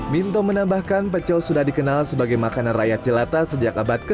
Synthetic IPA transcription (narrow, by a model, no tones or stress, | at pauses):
mint̪omənambahkanp̬ət͡ʃɔlsudahdikənalsəbaɡajmakananrajat̪̚t͡ʃəlat̪asəd͡ʒakabat̪̚kə